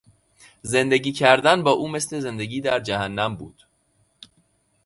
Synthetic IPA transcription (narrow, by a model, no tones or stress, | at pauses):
ze̞nd̪e̞ɟiːcʰæɾd̪ænbɒːʔuːme̞sle̞ze̞nd̪e̞ɡiːd̪æɾd͡ʒæhænːæmbṵːd̪̥